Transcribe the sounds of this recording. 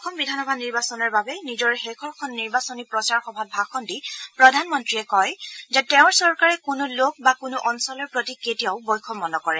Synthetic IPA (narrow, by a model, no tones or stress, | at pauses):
ɔxʰɔmbidʱanɔbʱaniɹbasɔnɔɹbabɛnizɔɹxekʰɔɹkʰɔnːiɹbasɔnipɹɔsaɹxɔbʱab̚bʱaxɔndipɹɔdʱanmɔntɹiɛkɔjzɛtɛʊ̃ɹsɔɹkaɹɛkʊnulok̚bakʊnʊʔɔnsɔlɔɹpɹotiketijaʊbɔjkʰɔmɔnɔkɔɹɛ